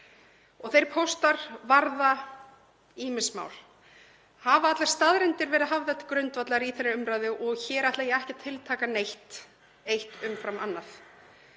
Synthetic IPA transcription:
ɔɣθejɾ̥pʰowst̪aɾ̥vaɾða | iːmɪsma̰ːwl | havaat̪laɾ̥st̪aðɾɪnt̪ɪɾvɛɾɪðɦavðɛt̪kɾʏnt̪vat̪laɾiθɛnːɪɾʏmɾajðʏʔɔɣçɛːɾaht̪lajɛɛhcɛt̪ʰɪlt̪ʰaːkanejht̪ | ejht̪ʏmfɾamanːaθ

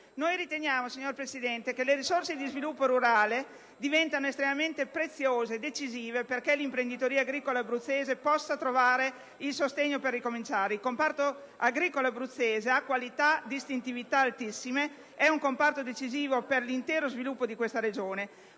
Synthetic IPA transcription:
nojɾit̪eɲjaːmosiɲːorpɾesid̪ɛnt̪ekeleɾisorsed̪izvilupːoɾuɾaːle | d̪ivɛnt̪anoest̪ɾemament̪epɾet̪sːjoːzed̪et͡ʃiziːveperkelimpɾend̪it̪oɾiːaːɡɾiːkolabɾut̪sːeːzepɔsːat̪ɾovaːɾe | ilsost̪eɲːoperːikomint͡ʃaːɾeilkompart̪o | aɡɾiːkolabɾut̪sːeːzeakːwalit̪ad̪ist̪int̪ivit̪aːlt̪isːime | ɛuŋkompart̪od̪et͡ʃiziːvoperlint̪eːɾozvilupːod̪ikwest̪aɾed͡ʒoːne

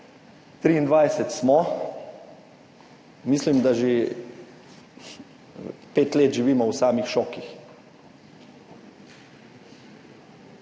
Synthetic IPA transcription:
t̪ɾiːnd̪ʋaːjsɛt̪smɔ | mislimd̪aʒe | peːt̪leːt̪ʒiʋiːmɔwsaːmixʃɔːkix

